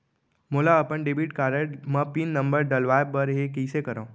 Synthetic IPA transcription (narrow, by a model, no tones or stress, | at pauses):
moːlaəpəɳɖebiʈkaːɾəmə̃pinːɐ̃mbəɾɖəlʋaːebbəɾɦekəisekəɾã